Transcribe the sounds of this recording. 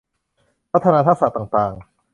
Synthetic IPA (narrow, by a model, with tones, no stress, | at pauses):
pʰɾa˦˥t̪ʰːa˧naː˧t̪ʰaː˦˥˩sa̰˨˩t̪aː˨˩ŋt̪aː˨˩ŋ